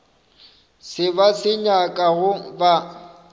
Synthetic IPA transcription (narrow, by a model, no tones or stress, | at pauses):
sɪbasɪɲakʼaɣʊba